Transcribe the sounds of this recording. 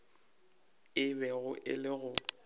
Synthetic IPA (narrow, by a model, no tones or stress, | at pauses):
ɪbɛɣʊʔɪ̰lɪɣʊ